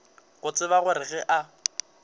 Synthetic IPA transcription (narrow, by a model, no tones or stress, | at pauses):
ɣʊt͡sʼɪβaɣʊɾɪɣɛʔa